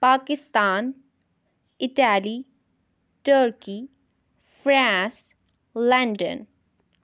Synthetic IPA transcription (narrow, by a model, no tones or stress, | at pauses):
paːkist̪aːn | ɪʈali | ʈəɾki | pʰɾãns | laɳɖə̰n